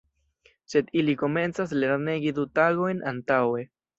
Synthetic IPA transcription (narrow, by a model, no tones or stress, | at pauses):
se̞d̪iliko̞me̞nt͡sas̬le̞ɾneɡid̪utaɡo̞jnʔantawe̞